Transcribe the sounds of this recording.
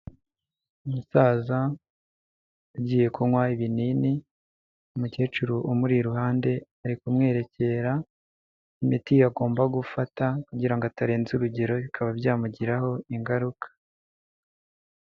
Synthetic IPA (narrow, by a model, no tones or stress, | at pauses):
umusaːza | uɟiːje̞kuwajiβinini | umuce̞ːt͡ʃuɾuʔomuɾiɾuhaːnde̞aɾikumŋe̞ːɾe̞ce̞ɾa | imitijaɡo̞ːmbaɡufatakuɟiɾaŋɡoataɾe̞ːnzuɾuɟe̞ɾo̞βikʰaβabɟaːmuɟiɾaho̞iŋɡaɾukʰḁ